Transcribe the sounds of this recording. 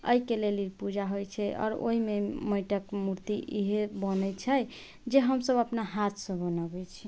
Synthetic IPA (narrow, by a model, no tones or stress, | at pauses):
ə̰ikeleliɾpud͡ʒaɦojt͡ʃʰɛɔ̰ːɾo̰ɦimeməjʈəkmuɾt̪iʔiɦebənɛt͡ʃʰɛ | d͡ʒeɦəmsəbəpnaɦat̪ʰsə̃bənəbɛt͡ʃʰi